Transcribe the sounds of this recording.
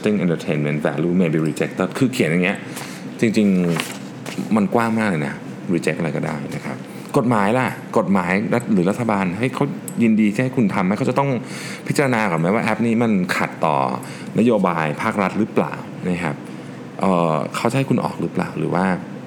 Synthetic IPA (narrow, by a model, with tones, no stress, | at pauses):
t̪i˥ŋʔe˧nt̪ʰə˧t̪ʰe˧nme˦˥˩nt̪̚fɛ̰ː˧˩luː˧˩meː˧biː˨˧ɾiː˧t͡ɕe˦˥k̚t̪ɤ˥˩kʰɯː˧kʰi˨˩˦nja˨˩ŋːni˦˥ɐʔ | t͡ɕi˧ŋt͡ɕi˧ŋ | ma˧nkwaː˥˩ŋmaː˥˩k̚lɤː˧jna̰˦˥ | ɾiː˧t͡ɕk̚ʔa˧ɾa˧jkɔː˥˩da̰ː˥˩jna˦˥kʰa̰˦˥p̚ | ko˨˩t̪̚maː˩˦jla˧˩ko˨˩t̪̚maː˩˦jɾa˦˥t̪̚ɾɯː˩˦ɾa˦˥t̪ʰːa˧baː˧nɦa˥˩jkʰa˦˥w | ji˧ndiː˧a˥˩ha˥˩jkʰu˧nt̪ʰa˧mha˥˩jkʰt͡ɕa˨˩t̪ɔ˥˩ŋ | pʰi˦˥t͡ɕa˧ɾa˧naː˧kɔː˨˩nma˦˥waː˥˩ʔɛ˦˥p̚niː˥˩ma˧nkʰa̰˨˩t̪ːɔ̰ː˨˩ | na˦˥joː˧baː˧jpʰaː˥˩k̚ɾa˦˥t̪̚ɾɯː˦˥pla̰ː˨˩w | na˦˥kʰa˦˥p̚ | ʔəː˨˩kʰa˦˥wt͡ɕa˨˩ha˥˩jkʰu˧nʔɔ̰ː˨˩k̚ɾɯ˦˥pla̰ː˨˩wɾɯ̰ː˩˦waː˥˩